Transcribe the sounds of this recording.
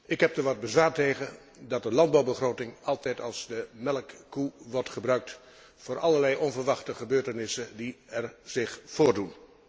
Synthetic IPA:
ɪkɦɛp̚dəɹʋɑd̚bəzʋaːɹteχə | dɑt̚dəlɑnd̚bɑwbəχroːtɪŋɑlˠtɛjtɑlˠzdəmɛlkːuʋɔɹtχəbrœɥk̚t | foːɹʔɑləɹlɛjʔɔnvəɹʋɑχtəχəbøːɹtənɪsəndiɛɹz̥ɪχfoːɹdun

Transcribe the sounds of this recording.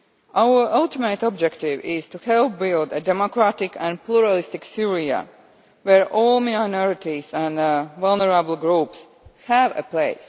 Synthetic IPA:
ʔawə˞ʔalt̪ɪmetɔbd͡ʒɛktɪvɪz̥t̪uhɛlˠp̚bɪlˠdədɛmokɾatɪkʰæ̃npluɹalɪst̪ɪksiɹia̰ | wɛɹʔɔlmiaɪnɔɹɪt̪izæ̃nvalˠnəɹabl̩ˠɡɹuːps | hævə̰pleɪs

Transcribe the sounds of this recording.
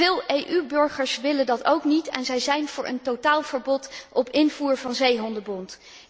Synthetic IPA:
ɪːlˠejʔybɵɹχəɹsʋɪləndɑto̰wknitɛ̰nzɛjzɛjnv̥ʊːɹʔə̰ntotaːlˠv̥əɹbɔtʔɔpɪnvuːɹvɑnzejɦɔndəbɔnt

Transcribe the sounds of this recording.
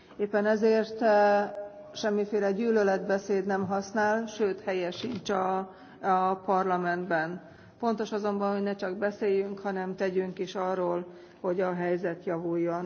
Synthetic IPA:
eːpːɛnɛzeːrt̪ | ʃɛmːifeːlɛɟyːlølɛd̪bɛseːd̪nɛmɦɒsnaːlʃøːt̪hɛjɛʃint͡ʃɒ | pɒrlɒmɛnd̪bɛn | fo̞nt̪o̞ʃɒzo̞mbɒnhoɟnɛt͡ʃɒɡbɛseːjyŋkhɒnɛmt̪ɛɟyŋkiʃɒrːoːl | ho̞ɟɒɦɛjzɛt̪jɒvujːo̞n

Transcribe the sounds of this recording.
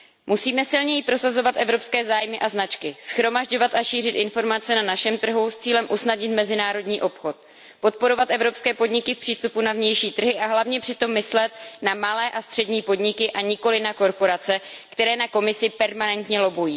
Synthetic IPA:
musiːmɛsɪlɲɛjipɾo̞sazo̞vat̪ʔɛvɾo̞pskɛːzaːjmɪʔaznat͡ʃkɪsxɾo̞maʒɟo̞vat̪ʔaʃiːr̝ɪt̪ʔɪnfo̞ɾmat͡sɛnanaʃɛmt̪r̩ɦust͡siːlɛmʔusnadɲɪt̪mɛzɪnaːɾo̞dɲiːʔo̞pxo̞t̪̚ | po̞t̪̚po̞ɾo̞vat̪ʔɛvɾo̞pskɛːpo̞dɲɪkɪfpr̝̥iːst̪upunavɲɛjʃiːt̪r̩ɦɪʔaɦlavɲɛpr̥ɪt̪o̞mːɪslɛt̪namalɛːʔast̪r̥ɛdɲiːpo̞dɲɪkɪʔaɲɪko̞lɪnako̞ɾpo̞ɾat͡sɛkt̪ɛɾɛːnako̞mɪsɪpɛɾmanɛnt̪ɲɛlo̞bujiː

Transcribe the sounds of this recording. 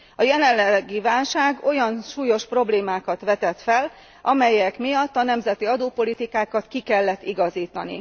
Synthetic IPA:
ɒjɛlɛllːɛɡːivaːlʃaːɡo̞jɒnʃuːjo̞ʃpro̞bleːmaːkɒt̪ʋɛt̪ɛt̪fɛl | ʔɒmɛjɛkmijɒt̪ːɒnɛmzɛt̪iɒd̪oːpo̞lit̪ikaːkɒt̪kikɛlːɛt̪ːiɡɒziːt̪ɒnḭ

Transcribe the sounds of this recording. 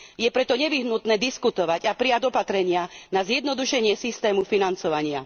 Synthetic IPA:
jɛpɾɛt̪ɔɲɛʋiɦnut̪nɛːd̪iskut̪ɔʋaɟapɾijaɟɔpat̪ɾɛɲɪanazjɛd̪nɔd̪uʃɛɲɪɛsist̪ɛːmufinant͡sɔʋaɲɪa

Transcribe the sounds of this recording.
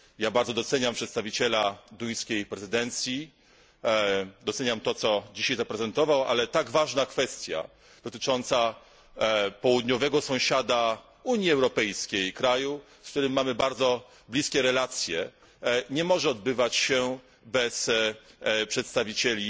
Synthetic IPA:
jabaɾd̪zɔd̪ɔt̪sɛɲampʂɛt̪st̪avʲit͡ɕɛlad̪uj̃skʲejpɾɛzɘd̪ɛnt̪sʲji | d̪ɔt̪sɛɲamt̪ɔt̪sɔd͡ʑiɕajzapɾɛzɛnt̪ɔvawa̰lɛt̪aɡvaʐnakfɛst̪ʲja̰ | d̪̥ɔt̪ɘ̥t͡ʂɔnt̪sa | pɔwud̪ɲɔvɛɡɔsɔ̃w̃ɕad̪a | uɲjiɛwɾɔpɛjskʲejkɾaju | sk̚t̪uɾɘmːamɘbaɾd̪zɔ | blʲiskʲɛɾɛlat̪sʲjɛ | ɲɛmɔʐɛɔd̪bɘvat͡ɕɕɛ | bɛs | pʂɛt̪st̪avʲit͡ɕɛlʲi

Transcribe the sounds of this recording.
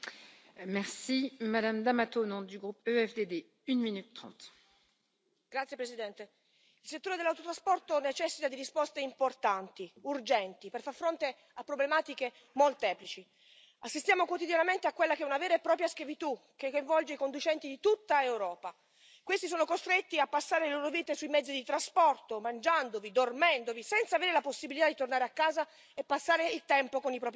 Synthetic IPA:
mɛʁsimad̪amd̪amat̪onɔ̃d̪yɡʁupøɛfd̪ed̪e | ynminyt̪ːχɑ̰̃t̪ | ɡ̥ɾat̪sjepɾesid̪ɛnt̪e | ilset̪ːoːɾed̪elːawt̪ot̪ɾaspɔrt̪onet͡ʃɛsːit̪ad̪iɾispɔst̪eimport̪ant̪iurd͡ʒɛnt̪iperfarfɾont̪e | apːɾoblemaːt̪ike | molt̪ɛːplit͡ʃi | asːist̪jaːmokwot̪id̪janament̪eakːwelːakeɛunaveːɾeepːɾɔːp̬ɾjaskjavit̪u | k̟ːekojɱvɔld͡ʒeikond̪ut͡ʃɛnt̪id̪it̪ut̪ːaewɾɔːpa | kwest̪is̬oːnokost̪ɾet̪ːiapːasːaːɾeleloːɾoviːt̪esuimɛd̪zːid̪it̪ɾaspɔrt̪omand͡ʒand̪ovid̪ormɛnd̪ovisɛnt̪saːveːɾelaposːibilit̪ad̪it̪ornaːɾeakːaːza | epːasːaːɾeilt̪ɛmpokonipɾɔːpɾi

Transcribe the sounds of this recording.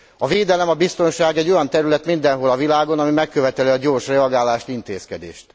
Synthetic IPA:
ɒveːd̪ɛlɛmɒbist̪o̞nʃaːɡɛɟːo̞jɒnt̪ɛɾylɛt̪mind̪ɛnɦolɒvilaːɡo̞nɒmimɛkːøvɛt̪ɛliɒɟoːrʃrɛɒɡaːlaːʃt̪int̪eːskɛd̪ḛːʃt̪

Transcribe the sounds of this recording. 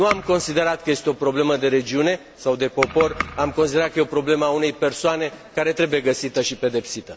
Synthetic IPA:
nuamko̞nsid̪e̞ɾat̪̚kəjest̪eo̞pɾo̞ble̞məd̪e̞ɾe̞d͡ʒiune̞ | sawd̪e̞po̞po̞ramko̞nsid̪eɾat̪̚kəjeopɾo̞ble̞məaune̞jpe̞rsoane̞kaɾe̞t̪ɾe̞buje̞ɡəsit̪əʃipe̞d̪e̞psit̪ə

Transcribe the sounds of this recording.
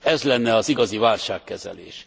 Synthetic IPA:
ɛzlɛnːɛɒziɡɒzivaːlʃaːkːɛzɛ̰lḛːʃ

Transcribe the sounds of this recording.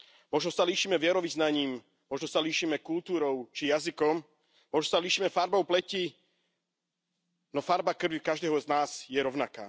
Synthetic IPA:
mɔʒnɔsaliːʃiːmɛʋɪɛɾɔʋiznaɲiːm | mɔʒnɔsaliːʃiːmɛkult̪uːɾɔʊt͡ʃijazikɔm | mɔʒnɔsaliːʃiːmɛfaɾbɔʊplɛci | nɔfaɾbakr̩ʋikaʒd̪ɛːɦɔznaːz̥jɛɾɔʊnaka̰ː

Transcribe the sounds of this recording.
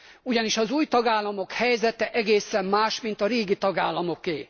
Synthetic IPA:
uɟɒniʃɒzuːjt̪ɒɡaːlːɒmo̞khɛjzɛt̪ɛʔɛɡeːsɛmːaːʃmint̪ɒɾeːɡit̪ɒɡaːlːɒmo̞keː

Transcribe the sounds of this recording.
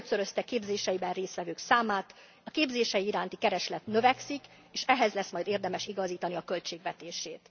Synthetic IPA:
t̪søɾø̞st̪ɛkeːbzeːʃɛjibɛnreːsʋɛvøːksaːmaːt̪ | ɒkeːbzeːʃɛjiiɾaːnt̪ikɛɾɛʃlɛt̪nø̞vɛksik | eːʃɛɦɛzlɛsmɒjd̪eːrd̪ɛmɛʃiɡɒziːt̪ɒniɒkø̞lt͡ʃeːɡʋɛt̪eːʃeːt̪

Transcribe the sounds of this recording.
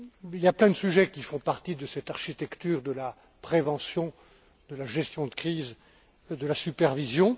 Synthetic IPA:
iljaplɛ̃d̪əsyʒɛkʲifɔ̃paʁt̪id̪əsɛt̪aʁʃit̪ɛkt̪yːʁd̪əla | pχevɑ̃sjɔ̃ | d̪̥əlaʒɛst̪jɔ̃d̪əkχiz | d̪əlasypɛʁvizjɔ̃

